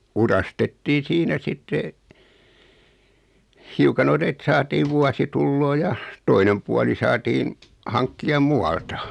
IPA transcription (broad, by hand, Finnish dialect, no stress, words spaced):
urɑstetːiːn siːnæ sitːe hiukɑ non et sɑːtiː ʋuɑsitulːoː jɑ toinem puɑli sɑːtiːn hɑŋkːiɑ muɑltɑ